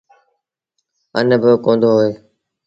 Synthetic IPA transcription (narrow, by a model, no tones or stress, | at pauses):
ə̰nbəkõːnd̪oːɦoːeː